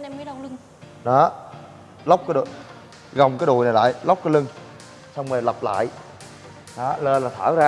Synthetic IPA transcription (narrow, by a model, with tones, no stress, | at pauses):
ɛ˧mə˨˦ɗwlɨ˧ŋ | ɗɔ˨˦ | lə˦˥k͡p̚kaː˨˦jɗṵ˧˨j | ɣə˨˩wŋ͡mkaː˨˦jɗṵ˧˨jna˨˩jla̰ː˧˨jlə˦˥k͡p̚kaː˨˦lɨ˧ŋ | sa˧wŋ͡mməː˨˩lə˨˩p̚la̰ː˧˨j | ɗɔ˨˦ləː˧laː˨˩t̪ʰaː˧˩wzaː˧